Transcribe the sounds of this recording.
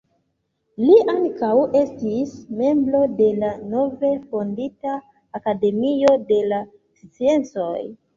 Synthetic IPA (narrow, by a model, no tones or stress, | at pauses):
liʔaŋkawe̞stisme̞mbɾo̞de̞lano̞ve̞fo̞nditaː | kade̞mio̞de̞la | st͡sie̞nt͡so̞j